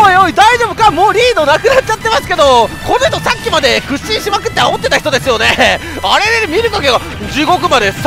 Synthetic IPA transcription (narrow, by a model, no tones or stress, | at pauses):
ojoid̪aiʑo̞ːbɯ̟kamo̞ːɾʲiːd̪o̞nakɯ̟nat̚ːt͡ɕat̪ːe̞masɨ̥ke̞d̪o̞konoçt̪osakʲːimad̪e̞kɯ̟ɕĩɕimakɯ̟t̪ːeaot̪ːe̞t̪açi̥t̪o̞d̪e̞sɨjo̞ne̞ | aɾe̞d̪emʲiɾɯ̟kake̞ɡa | d͡ʑiːɡo̞k̬ɯ̟mad̪e̞s